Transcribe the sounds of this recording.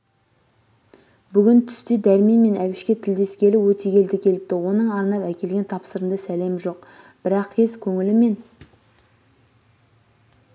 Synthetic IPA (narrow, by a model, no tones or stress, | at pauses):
bʏɡʲɪnt̪ʰʏ̥st̪ed̪æɾmeme̞næwɪʃkʲe̞t̪ʰɪld̪e̞skʲe̞lɪwɵt̪e̞ɡʲe̞ld̪ɪkʲʰe̞lɪp̚t̪ɪwo̞nəɴɑɾnɑpækʲʰe̞lɡʲe̞nt̪ʰɑpsəɾənd̪ɑsæle̞mʒo̞q | b̥ɪɾɑqkʲʰe̞zkʲʰɵŋɪlɪme̞n